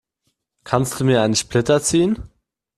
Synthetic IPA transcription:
kʰanst̚d̥uːmiːɐaɪnəʃplɪtɐt͡siːən

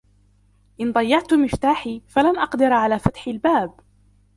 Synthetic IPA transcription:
ʔɪnd̪ˤɑjːɑʕt̪mɪft̪aːħiːfalanʔɑqd̪ɪɾʕalaːfat̪ħɪlbaːb

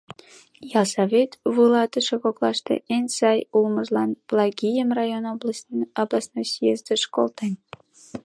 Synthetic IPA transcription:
jɑlsɑβʲet̪vulˠɑt̪ə̆ʃekoklˠɑʃt̪ɤ̰ʔenʲsɑjulˠmɤ̆ʒlˠɑnblˠɑɡʲijəmrɑjonloblˠɑsnosjezd̪ə̆ʃko̰lˠt̪enʲ

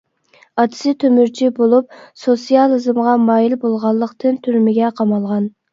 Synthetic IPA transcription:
ɑt̪ʰɪ̥sɪt̪ʰømyɾt͡ʃʰibolˠup̚sosijɑlˠɨzɨmʁɑmɑːjilbolˠʁɑlˠːəqt̪ɨnt̪ʰyɾmɪɡʲɛqʰɑmɑlˠʁɑn

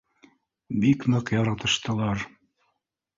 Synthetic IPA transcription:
bikmɤqjɑɾɑt̪ɤ̆ʃt̪ɤ̆lˠɑɾ

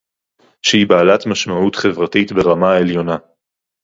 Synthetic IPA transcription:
ʃehibaːlatmaʃmautχevʁatitbe̞ʁamae̞ljo̞na

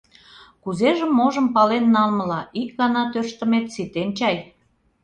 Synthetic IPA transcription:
kuzeʒəmːoʒə̆mpɑlenːɑlmə̆lɑʔik̚ɣɑnɑt̪ørʃt̪ə̆met̪sit̪ent͡ɕɑj

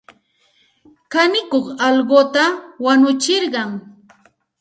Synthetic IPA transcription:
kanɪkoχɑlɢot̪awanʊt͡ʃɪɾɢɑŋ

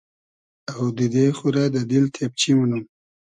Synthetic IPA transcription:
awd̪id̪exuɾad̪əd̪ilt̪ʰep̚t͡ʃʰimunum

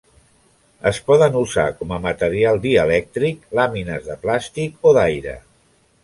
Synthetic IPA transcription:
əspɔðənuza̰kɔməmət̪əɾialˠd̪iəlɛk̚t̪ɾik̚laminəzðəplast̪ikoðajɾə̰

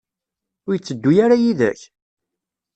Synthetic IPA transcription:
ʊɾjət͡sːəd̪ːujaɾajiðæ̰ç

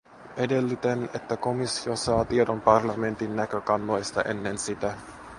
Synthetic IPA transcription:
ʔe̞de̞lːyt̪ene̞t̪ːæko̞misːio̞sɑːt̪iedompɑrlɑme̞nt̪inːækø̞kɑnːojst̪ɑ̰ʔe̞̰nːe̞nsit̪æ

